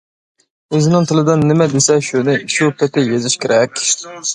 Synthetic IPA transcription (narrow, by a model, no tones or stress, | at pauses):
øzɪnɪŋt̪ʰɨlˠɨd̪ɨnːɪmɛd̪esɛʃunɪʃupʰɛt̪ʰɪjezɪʃkʲʰeɾʔɛkʲ